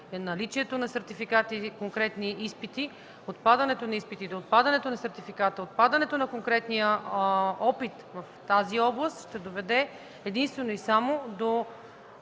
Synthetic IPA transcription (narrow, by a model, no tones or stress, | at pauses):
nɐlit͡ʃiɛt̪onɐsɛɾt̪ifikat̪ikoŋkɾɛt̪niʔispit̪i | ot̪̚pad̪ɐnɛt̪onɐispit̪id̪oːt̪̚pad̪ɐnɛt̪onɐsɛɾt̪ifikat̪əot̪̚pad̪ɐnɛt̪onɐkoŋkɾɛt̪nijə | ɔpit̪vɐft̪aziɔblˠəst̪ʃt̪ɛd̪ovɛd̪ɛ | ɛd̪inst̪vɛnoisamod̪o